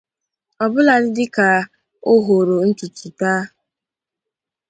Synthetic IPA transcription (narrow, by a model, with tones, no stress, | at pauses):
ɔ˨bʊ˦la˨dɪ˦dɪ˦ka˨ | o˦ɦo˨ɾo˨˦n̩˦tʊ˨tu˨taː˦